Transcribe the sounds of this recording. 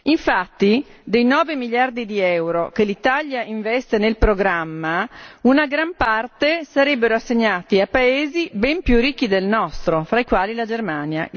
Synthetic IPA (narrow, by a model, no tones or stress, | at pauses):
iɱfat̪ːid̪ejnɔːvemiljard̪id̪iɛwɾokelit̪aljaʔiɱvɛst̪enelpɾoɡɾamːaunaɡɾampart̪esaɾɛbːeɾoasːeɲːaːt̪iapaeːzibɛmpjurːikːid̪elnɔst̪ɾofɾaikwaːlilad͡ʒermaːnja̰